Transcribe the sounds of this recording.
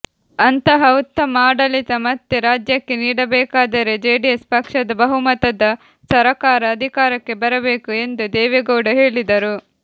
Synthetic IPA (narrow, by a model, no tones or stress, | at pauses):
ɐnt̪ɐɦɐut̪ːɐmaːɽɐlit̪ɐmɐt̪ːeɾaːd͡ʒjɐkːe̞niːɽɐbɛːkaːd̪ɐɾe̞d͡ʒeːɖijespɐkʂɐd̪ɐbɐɦumɐt̪ɐd̪ɐ | sɐɾɐkaːɾɐːd̪ʱikaːɾɐkːe̞bɐɾɐbeːkue̞nd̪ud̪ɛːʋeɡoːɽɐɦe̞ːɭid̪ɐɾu